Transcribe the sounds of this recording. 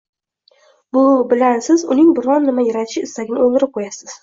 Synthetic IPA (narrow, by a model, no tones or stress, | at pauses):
bʊbɪlansɪzʊnɪŋbɪɾɒnːɪmajaɾat̪ʰɪ̥ʃɪɪst̪aɡʲɪnɪolˠd̪ɪɾɪp̚qʰojasɪz̥